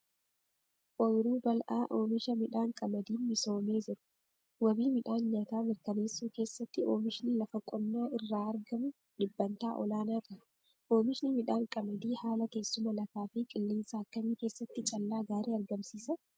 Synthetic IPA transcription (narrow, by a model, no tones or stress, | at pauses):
ʔɔjɾuːbɐlʔa̰ːʔoːmɪʃɐmɪᶑaːŋkʼɐmɐd̪iːnmɪso̞ːme̞ːd͡ʒɪɾʊ̥ | wɐbiːmɪᶑaːnɲaːt̪aːmɪɾkɐneːsːuːke̞ːsːɐt̪ːɪʔoːmɪʃɪnɪlɐfɐkʼːɔnːaːʔɪrːaːɐɾɡɐmʊ | ᶑɪbːɐnt̪aːʔɔ̰laːnaːt̪ɐ | ʔoːmɪʃnɪmɪᶑaːŋkʼɐmɐd̪iːhaːlɐke̞ːsːʊmɐlɐfaːfɪkʼɪlːiːnsaɐkːɐɲiːke̞ːsːɐt̪ːɪt͡ʃʼɐlːaːɡaːɾeːɐɾɡɐmsiːsɐ